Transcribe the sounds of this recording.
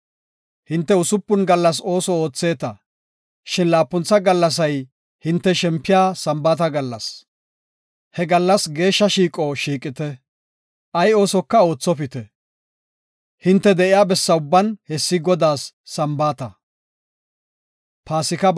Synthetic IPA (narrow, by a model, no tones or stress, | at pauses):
hɪnt̪ːɛʊsʊpːʊnɡɐlːɐs̬o̞ːsɔo̞ːt͡sːe̞ːt̪ɐ | ʃɪnlaːpːʊnt͡sːɐɡɐlːɐs̬ɐj | hɪnt̪ːɛʃɛmpːɪjaːsɐmbaːt̪ɐɡɐlːɐs | hɛɡɐlːɐsɡe̞ːʃːɐʃiːkʼɔʃiːkʼːɪt̪ɛ | ʔɐjo̞ːsɔkːɐo̞ːt͡sːɔp̬ɪt̪ɛ | hɪnt̪ːɛd̪ɛʔɪjaːbɛsːɐʊbːɐnhɛsːɪɡɔd̪aːsː | ɐmbaːt̪ɐ | paːsɪkɐ